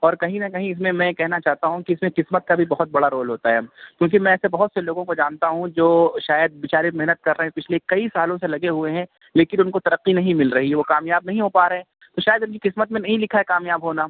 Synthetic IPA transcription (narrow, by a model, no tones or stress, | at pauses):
ɔːɾkɐɦĩnɐkɐɦĩɪs̬mẽmɛ̃kɛɦnat͡ʃaːɦt̪aɦũkiɪsmẽqɪsmət̪̚kabʱibɐɦʊt̪̚bɐɽaɾoːlɦoːt̪aɦɛːkʲjõːkimɛ̃ɛːsebɐɦʊt̪seloːɡõkod͡ʒaːnt̪aɦũd͡ʒoːʃaːjəd̪̚bɪt͡ʃaːɾemɛɦnət̪̚kɐɾːɐɦɛ̃pɪt͡ʃʰlekɐisaːlõselɐɡeɦueɦɛ̃ | leːkɪnʊnkot̪ɐɾəqːinɐɦĩmɪlɾɐɦiɦɛʋokaːmjaːb̚nɐɦĩɦoːpaːɾɐɦɛ̃ː | t̪oʃaːjəd̪ʊnkiqɪsmət̪mẽnɐɦĩlɪkʰaɦɛkaːmjaːbɦoːnaː